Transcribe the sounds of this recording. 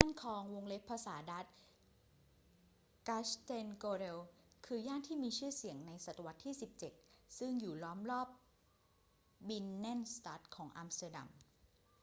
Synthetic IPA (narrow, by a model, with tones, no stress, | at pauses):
jaː˥˩nkʰɔː˧ŋwo˧ŋle˦˥pʰːa˧saː˩˦da˦˥t̪̚ | ka˦˥st̪e˧nkoː˧ɾe˧wkʰɯː˧jaː˥˩nt̪ʰiː˥˩miː˧t͡ɕʰɯː˥˩si˩˦əŋna˧jsa˨˩t̪a˧wa˦˥t̪ʰːiː˥˩si˨˩p̚t͡ɕe˨˩t̪̚sɯ˥˩ŋjuː˨˩lɔː˦˥mlɔː˥˩p̚ | bi˧nːɛ˥˩nst̪aː˦˥t̪̚kʰɔː˩˦ŋʔa˧mst̪aː˧da̰˧m